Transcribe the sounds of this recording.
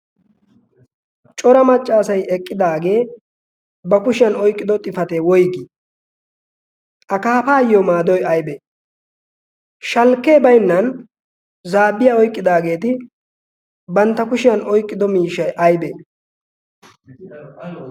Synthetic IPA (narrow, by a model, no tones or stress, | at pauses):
t͡ʃʼɔɾɐmɐt͡ʃʼːaːsɐjɛkʼːɪd̪aːɡe̞ː | bɐkʊʃɪjɐnɔjkʼːɪd̪ɔt̪ʼɪfɐt̪eːwɔjɡɪ | ʔɐkaːpaːjomaːd̪ɔjɐjbeː | ʃɐlkːe̞ːbɐjnːɐn | zaːbːɪjaːɔjkʼːɪd̪aːɡe̞ːt̪ɪ | bɐnt̪ːɐkʊʃɪjɐnɔjkʼːɪd̪ɔmiːʃɐjʔɐjbe